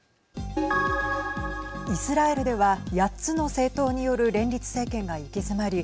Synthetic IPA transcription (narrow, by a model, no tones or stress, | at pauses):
isɨɾae̞ɾɯ̟d̪e̞βajatt͡sɨno̞se̞ːt̪o̞ːɲ̟ijo̞ɾɯ̟ɾẽ̞nʲɾʲit͡sɨ̥se̞ːkẽ̞ŋɡaikesɨmaɾʲi